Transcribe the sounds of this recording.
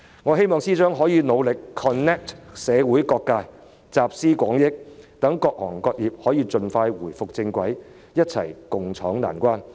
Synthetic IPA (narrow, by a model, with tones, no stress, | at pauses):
ŋɔː˨˧ɦe˥jmɔː˨˧ŋsiː˥t͡ʃœː˥ŋɦɔː˨˥jiː˨˧no˨˧wlɪ˨kʰːɔː˨nɛː˥k̚tsɛː˨˧wuː˨˥jkɔː˧kːaː˧j | t͡saː˨p̚siː˥kʷɔː˨˥ŋjɪ˥k̚t̪ɐ˨˥ŋkɔː˧k̚hɔː˨˩ŋkɔː˧k̚jiː˨p̚hɔː˨˥jiː˧t͡ʃɵ˧nfaː˧jwuː˨˩jfʊ˨k̚t͡sɪ˧ŋkʷɐ˨˥j | jɐ˥t̚t͡sʰɐ̰˨˩jkʊ˨ŋt͡ʃʰɔː˨˥ŋla̰ː˨˩nkʷwaː˥n